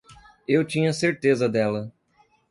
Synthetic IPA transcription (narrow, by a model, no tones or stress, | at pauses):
ewt͡ʃĩɲɐseɾt̪ezɐd̪ɛlɐ